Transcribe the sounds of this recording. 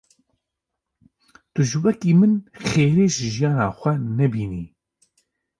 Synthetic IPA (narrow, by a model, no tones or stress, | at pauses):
t̪ʊʒɨwɛkiːmɨnxeːɾeːʒɪʒijɑːnɑːxʷɛnɛbiːniː